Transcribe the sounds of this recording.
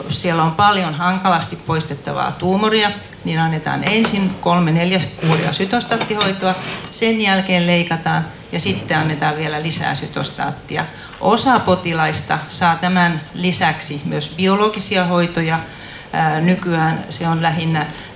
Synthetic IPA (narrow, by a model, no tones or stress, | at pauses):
sielompɑljonhɑŋkɑlɑst̪ippoist̪et̪ːɑʋɑ̰ːt̪uːmoriɑ | ninɑnːet̪ɑ̰ːnensinkolmeneljæskuːrḭɑ̰syt̪ost̪ɑt̪ːihoit̪oɑsenjælkeːlleikɑt̪ɑːn | jɑsit̪ːeɑnːet̪ɑːʋʋielælisæ̰ːsyt̪o̰st̪ɑ̰ːt̪ːiɑ̰ | ʔosɑpot̪ilɑist̪ɑ̰sɑːt̪æmænlisæksimyøsbioloɡ̥isiɑhoit̪ojɑ | nykyæːnseonlæɦinːæ